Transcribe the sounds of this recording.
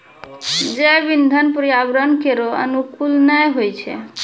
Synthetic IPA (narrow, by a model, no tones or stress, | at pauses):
d͡ʒebind̪ʱənpɾjabɾənkeɾoə̰nukulnəjɦojt͡ʃʰɛ̰